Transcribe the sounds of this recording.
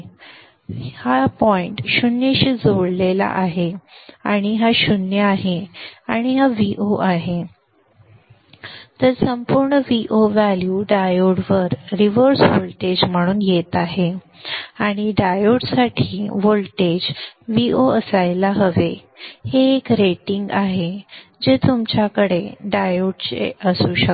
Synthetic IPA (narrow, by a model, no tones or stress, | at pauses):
hapɔiɳʈɕunjəɕiːd͡zoɽlela̰ʔaɦeaɽ̃iɦaɕunjəaɦeaɽ̃iɦaʋiʔoʔaɦe | t̪əɾsəmpuɾɳəʋiʔoʋæljuɖajoɽʋəɾɾiʋəɾsʋolʈed͡ʑm̤əɽ̃uːnjet̪aɦe | aɽ̃iɖajoɽsaʈʰiːʋolʈed͡ʑʋioəsajlaɦəʋe | heːkɾeʈiŋɡaɦed͡ʑet̪umt͡ɕakəɽeɖajoɽt͡ɕḛəsuːɕək